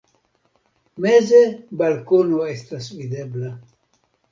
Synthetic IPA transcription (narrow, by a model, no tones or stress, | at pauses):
mezebalkonoestasvid̪ebla